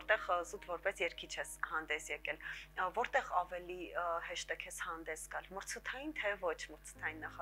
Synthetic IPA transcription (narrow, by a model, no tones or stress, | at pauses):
ɔɾt̪ɛʁzut̪vɔɾpɛsjɛɾkʰit͡ʃʰɛshɑnd̪ɛsjɛkɛlvɔɾt̪ɛʁɑvɛlihɛʃt̪ɛkʰɛshɑnd̪ɛsɡɑlməɾt͡sʰut̪ʰɑjint̪ʰɛvɔt͡ʃʰməɾt͡sʰə̥t̪ʰɑjinːɑχɑ